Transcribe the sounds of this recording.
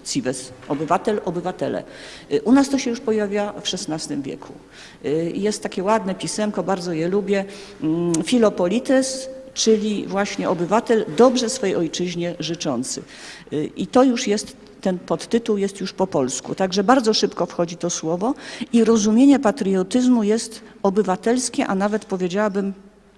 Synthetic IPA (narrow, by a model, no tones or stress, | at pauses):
sʲivɛsɔbɘvat̪ɛlɔbɘvat̪ɛlɛ̰ | ʔunast̪ɔɕɛjuʂpɔjavʲjafʂɛsnast̪ɘmvʲjɛ̰kʰṵ | jɛst̪ːakʲɛwad̪nɛpʲisɛmkɔbaɾd̪zɔjɛlubʲjɛ | fʲilɔpɔlʲit̪ɛst͡ʂɘlʲivwaɕɲɛʔɔbɘvat̪ɛld̪ɔbʐɛsfɔjɛjʔɔjt͡ʂɘʑɲɛʐɘt͡ʂɔnt̪sɘ̰ | ʔit̪ɔjuʂjɛst̪ː | ɛnpɔt̪ːɘt̪uwjɛst̪juʂpɔpɔlskṵt̪aɡʐɛbaɾd̪zɔʂɘpkɔfxɔd͡ʑit̪ɔswɔvɔiɾɔzumʲjeɲɛpat̪ɾɨjɔt̪ɘzmujɛst̪ | ɔbɘvat̪ɛlskʲɛʔanavɛt̪pɔvʲjed͡ʑawabɘm